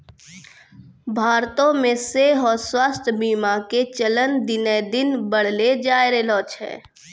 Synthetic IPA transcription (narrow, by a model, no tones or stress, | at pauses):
bʱaːɾt̪õmẽseɦɔːɾswaːst̪ʰbiːmaket͡ʃələnd̪ɪned̪ɪnbəɽ̤led͡ʒaːjɾelɔːt͡ʃɦɛ̰ː